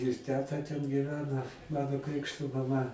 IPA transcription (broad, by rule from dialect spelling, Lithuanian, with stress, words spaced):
ɪr ˈtʲæːtɐ tʲɛn ɡʲiːˈʋʲæːnɐ ˈmɑːnoː ˈkrʲɪkʃtoː mɐˈmɐ